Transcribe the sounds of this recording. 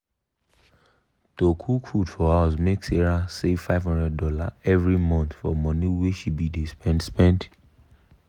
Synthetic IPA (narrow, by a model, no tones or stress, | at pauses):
tokʰukʰudfɔawasmekseɹasevfaɪvhɔ̃ndɹɛd̚dɔla̰ɛvɹimɔ̃nθfɔ̰mɔ̃niweʃibidespɛ̃ndspɛ̃nd